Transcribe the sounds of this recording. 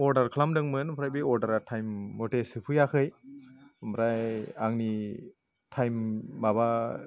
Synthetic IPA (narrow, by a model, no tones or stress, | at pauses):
ɔɾdaɾkʰlamdɯŋmɯnpʰɾajbiɔɾdaɾatʰajmːɔtesɯpʰujakʰɯj | mɾajaŋni | tʰajmːaba